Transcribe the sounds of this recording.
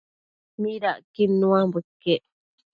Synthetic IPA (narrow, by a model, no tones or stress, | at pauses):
miɾaʔkimnũambəkːeʔ